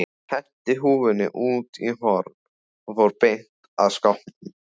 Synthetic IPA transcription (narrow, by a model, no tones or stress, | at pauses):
hɛh̪t̪ɪɦuːvɪnɪ̰ʔuːt̪iɦɔɾ | ɔfowɾpejŋ̥k | aðskawh